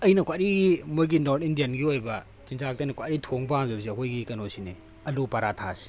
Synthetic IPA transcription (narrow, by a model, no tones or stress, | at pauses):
ɐjnɐkʰʷwaɾimojɡinoɾtʰindijɐnɡiojbɐ | t͡ʃinzak̚tɐjnɐkʰwaɾitʰoŋbaamzɐbs̬iɐkʰojɡikɐnosine | ɐlupɐɾatʰasi̥